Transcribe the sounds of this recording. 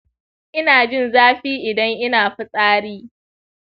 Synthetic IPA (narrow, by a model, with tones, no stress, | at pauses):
ʔɪ˦naː˨d͡ʒɪ˦˨nzaː˦ɸiː˦ʔɪ˨dɐ˦ŋʔɪ˦naː˨ɸɪ˦sʼaː˦ɽiː˦